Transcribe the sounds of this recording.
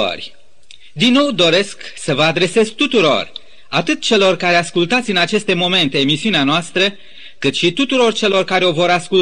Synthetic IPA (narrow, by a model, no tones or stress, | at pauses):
ə̰rʲ | d̪inːo̞wd̪o̞ɾe̞sksəvəad̪ɾe̞se̞zt̪ut̪uɾo̞̰r | at̪ɨt̪̚t͡ʃe̞lo̞rkaɾe̞askult̪at̪sʲɨnat͡ʃe̞st̪e̞mo̞me̞nt̪e̞ːmisiuneanoast̪ɾə | kɨt̪ʃit̪ut̪uɾo̞rt͡ʃe̞lo̞rkaɾeo̞vo̞ɾaskul